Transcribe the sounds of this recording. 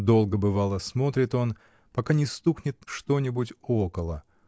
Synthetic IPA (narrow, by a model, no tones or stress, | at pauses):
d̪o̞lˠɡəbɨvalˠəsmo̞t̪ɾʲɪt̪o̞n | pɐkanʲɪst̪uxnʲɪt̪̚ʂt̪onʲɪbutʲokəlˠə̰